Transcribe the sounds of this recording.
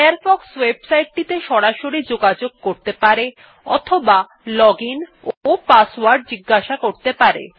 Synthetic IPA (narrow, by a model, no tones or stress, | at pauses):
aɾfɔkswebsajʈ̚ʈit̪eʃɔɾaʃoɾid͡ʑoɡad͡ʑoɡ̚koɾt̪epaɾe | ɔ̰t̪ʰoba | lɔɡin | opaswaɾɖ̚d͡ʑiɡːaʃakoɾt̪epaɾḛ